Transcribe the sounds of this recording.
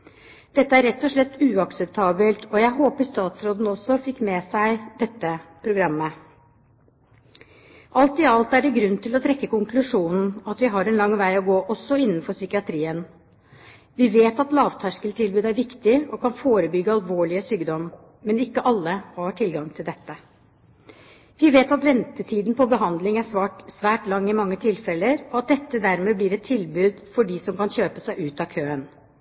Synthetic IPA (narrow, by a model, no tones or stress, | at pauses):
d̪̥ɛt̪ːəæɾːɛt̪ːɔʂɭɛt̪ːʉːɑksɛp̚t̪ʰɑːbəlt̪ʰɔjæɪɦoːpəʂt̪ɑːt̪sɾoːd̪n̩ɔsɔfɪkːmɛsæɪd̪ɛt̪ːəpʰɾʊɡɾɑmːə | ʔɑlt̪ɪɑlt̪æɖɛɡɾʉnːt̪ʰɪlɔt̪ʰɾɛkːəkʊŋklʉʂuːnn̩ɑt̪ʋɪɦɑɾɛnlɑŋːʋæɪɔɡoːʔɔsːɔɪnːənfɔsʏkɪɑt̪ʰɾiːən | ʋɪʋeːt̪ɑt̪lɑːʋt̪ʰæʂkəlt̪ʰɪlbʉːd̪æɾʋɪkt̪ɪɔkʰɑnfoːɾəbʏɡəɑlʋoːɭɪəsyːɡd̪ɔm | mɛnɪkːəʔɑlːəhɑʈʰɪlɡɑŋt̪ʰɪld̪ɛt̪ːə | ʋɪʋeːt̪ɑt̪ʋɛnt̪ət̪ʰiːd̪n̩pʰɔbəɦɑnd̪lɪŋæsʋɑːʈsʋæːʈlɑŋːɪmɑŋːət̪ʰɪlfɛlːəɾɔɑt̪̚d̪ɛt̪ːəd̪æɾmeːblɪɾɛt̪ʰːɪlbʉːd̪fɔɖɪsɔmkɑnçøːpəsæɪʔʉːt̪ɑːkʰøːən